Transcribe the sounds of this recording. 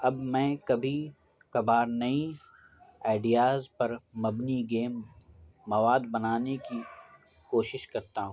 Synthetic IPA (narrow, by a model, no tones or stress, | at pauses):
ɐbmɛ̃ːkɐbʱi | kɐbaːɾnɐĩ | aːɪɖijaːzpɐɾmɐbniɡeːmː | ɐʋaːd̪bɐnaːneki | koːʃɪʃkɐɾt̪aɦũː